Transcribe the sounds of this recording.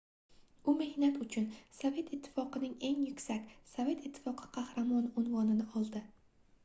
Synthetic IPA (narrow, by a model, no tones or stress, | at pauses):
ʊme̞hnat̪ʊt͡ʃʰʊnsɒve̞t̪ɪt̪ʰːɪ̥fɒqɨnɪŋe̞ŋjʊkʲsakʲsove̞t̪ɪt̪ʰːɪ̥fɒqʰɨ̥qʰɑhɾamɒnʊnvɒnɪnɪɒlˠd̪ɪ